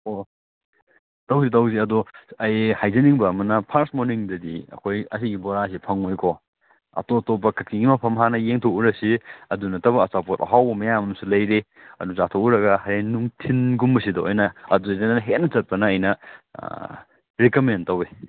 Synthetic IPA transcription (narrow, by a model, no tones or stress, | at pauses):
o | tɐwzitɐwziɐduɐjhajzɐniŋbɐːmɐnɐpʰaɾsmoniŋdɐdiɐ̰kʰojɐsiɡibɔɾas̬ipʰɐŋojkʰo | ɐ̰totopːɐkʰɐk̚iŋɡimɐpʰɐmɦanɐjeŋtʰokuɾɐsiɐdunɐtɐbɐːsapot̚ɐ̰ɦawbɐmɐjamɐmsulɐjɾe | ɐ̰duzatʰokuɾɐɡɐɦɐɾenuŋtʰinɡumːɐsidɐo̰jnɐɐduzɐnnɐɦet̚nɐt͡ʃɐt̚pɐnɐːjnɐ | ɾekɐmentɐwi